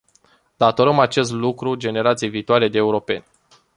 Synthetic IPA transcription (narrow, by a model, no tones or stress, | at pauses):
d̪at̪o̞ɾəmat͡ʃe̞s̬t̪lukɾud͡ʒe̞ne̞ɾat̪sijejviːt̪oale̞d̪eːuɾo̞pe̞̰nʲ